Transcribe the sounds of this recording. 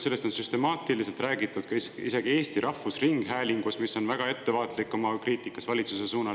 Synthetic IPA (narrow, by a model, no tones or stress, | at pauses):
se̞lːe̞st̪o̞nsyst̪e̞mɑːt̪iliselt̪ræːɡ̥it̪ːˑud̪̥kɑisise̞ɡ̥ie̞ːst̪iɾʔɑfusriŋɡ̥ɦæːlʲiŋɡ̥usmiso̞nvæɡ̥ɑe̞t̪ːe̞vɑːt̪likːˑo̞mɑkriːt̪ˑikːˑɑsvɑlʲit̪suse̞suːnɑ